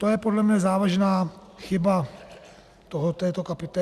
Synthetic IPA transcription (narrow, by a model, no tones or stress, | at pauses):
t̪ojɛpodlɛmɲɛzaːvaʒnaːxɪba | t̪oɦot̪ɛːt̪okapɪt̪ɛ